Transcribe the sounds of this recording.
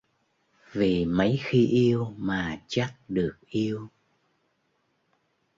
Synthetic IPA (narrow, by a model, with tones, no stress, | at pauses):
vi˨˩mə˨˦jxi˧ʔi˧əwmaː˨˩t͡ɕa˦˥t̚ɗɨ˨˩ək̚ʔi˧əw